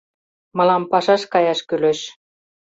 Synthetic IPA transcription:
mɤ̆lɑmpɑʃɑʃkɑjɑʃkyløʃ

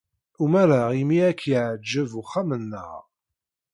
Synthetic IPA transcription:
umæɾaimiækʰːiʕd͡ʒːəvuχamənːə̰ʁ

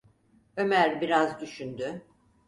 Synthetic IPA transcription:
ø̞mæɾbiɾazd̪yʃynd̪y

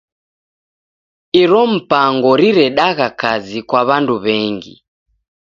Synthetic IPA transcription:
iɾɔm̩paŋɡɔɾiɾɛɗaɣakazikwaβanduβɛŋɡḭ

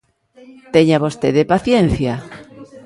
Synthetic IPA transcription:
t̪eɲaβost̪eðepaθjen̟θja

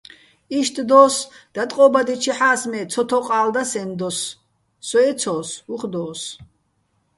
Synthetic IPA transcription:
iʃt̪ʰʼd̪ɔːs | d̪̥at̪ʼqʼɔbad̪it͡ʃʰiħaːsmɛt͡sʰɔt̪ʰɔqʼaːld̪asɛmd̪ɔsː | ɔɛt͡sʰɔːsuχd̪ɔːs

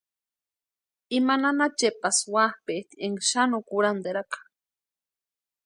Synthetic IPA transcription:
imananat͡ʃepaswahpet̪ieŋʃanokuɾand̪eɾakḁ

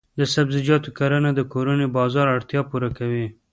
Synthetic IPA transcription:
d̪əsabzɪd͡ʒɑt̪okaɾanad̪əkoɾunebɑzɑɾaɽt̪jɑpuɾakawi

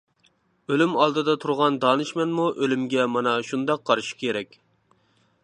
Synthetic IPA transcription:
ølymɑlˠd̪ɨd̪ɑt̪ʰuɾʁɑnd̪ɑːnɨʃmɛnmuʔølymɡʲɛmɑnɑʃund̪ɑqʰːɑɾʃi̥kʲʰeɾɛkʲ

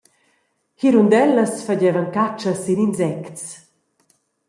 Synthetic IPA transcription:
hiɾund̪ɛlːəsfaɟɛvəŋkat͡ʃːəsininsɛkts

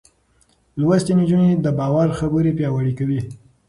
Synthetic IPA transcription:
lwast̪inid͡ʒuned̪əbɑwaɾxabəɾipjɑwaɽikawi

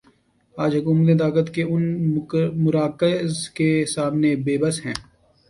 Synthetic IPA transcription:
aːd͡ʒɦʊkuːmət̪̬et̪̬aːkət̪keʊn | mʊɾaːkəzkesaːmnebeːbəsɦɛ̃ː

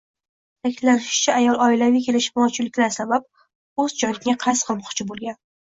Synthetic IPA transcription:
t̪ʰakʲʰɪllanɪʃɪ̥t͡ʃʰaajɒlˠɒɪlavikʲʰe̞lɪʃmɒt͡ʃʰʊlːɪkʲlaɾsabap̚ | ɵzd͡ʒɒjlɪaqʰasqʰɨlˠmɒqt͡ʃʰɪbolˠɡʲan

